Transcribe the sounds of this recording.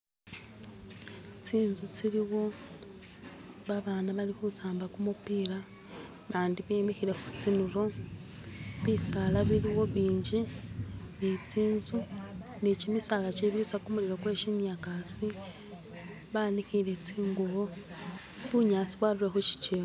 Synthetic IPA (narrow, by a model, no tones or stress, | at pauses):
t͡siːnzut͡siɾiwo̞ | βaβaːnaβalixut͡saːmbakumupiːla | βaːndiβemixiɾe̞xut͡sinuɾo̞ | βisalaβiɾiwo̞βiːɲɟi | nit͡siːnzunicimisalat͡ʃiβiɾisakumuliɾo̞kwe̞ːʃinjakasi | βaːnixilet͡siːŋɡuβo | βuɲaːt͡siβwaɾuɾe̞xuʃi̥t͡ʃeo